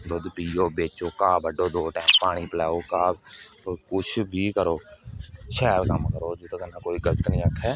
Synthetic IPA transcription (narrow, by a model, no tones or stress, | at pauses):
d̪od̪piːoːbeːt͡ʃoːkaːbəɖoːd̪oːʈɛ̃ːpaːɽ̃iːpəlɛːoːkaːbkʊt͡ʃʰbʱiːkəɾoːʃɛːlkəmkəɾoːd͡ʒʊt̪ːkənãːkoːiːɡələt̪nĩːəkʰːɛː